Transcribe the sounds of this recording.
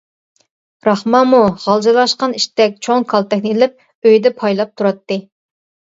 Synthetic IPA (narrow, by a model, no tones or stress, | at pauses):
ɾɑχmɑmuʁɑlˠd͡ʒɑlˠɑʃqɑniʃt̪ɛk̚ʲt͡ʃʰoŋkʰɑlˠt̪ʰɛkʲnɪilɪp̚ | øjd̪ɛpʰɑjlˠɑp̚t̪ʰuɾɑt̪ːɨ